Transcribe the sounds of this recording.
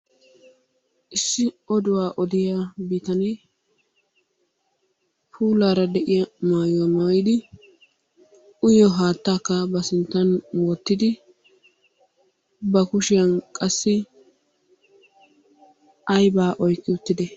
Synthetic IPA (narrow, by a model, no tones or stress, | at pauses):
ʔɪsːɪ | ɔd̪ʊwaːʔɔd̪ɪjabiːt̪ɐneː | pʰuːlaːɾɐd̪ɛʔɪjɐmaːjoːnɐwɔjd̪ɪ | ʔʊjɔɦaːt̪ːaːkːɐbɐsɪnt̪ːɐnwɔt̪ːɪd̪ɪ | bɐkʊʃɪjɐnkʼɐsːɪ | ɐjbaːʔɔjkʼːɪʊt̪ːɪd̪ɛ